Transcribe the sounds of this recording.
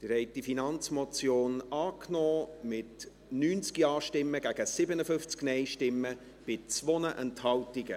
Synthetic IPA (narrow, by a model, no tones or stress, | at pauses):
d̥əɾɛɪtifinɑnt͡smɔt͡sjoːnɑːknɔːmɪt | nyːnt͡skiɑːʃtɪmːəɡ̥æɡ̥əsɪbənəfʏft͡sknɛɪʃtɪmːə | b̥ɪt͡svonəʔɛnthɑltiɡə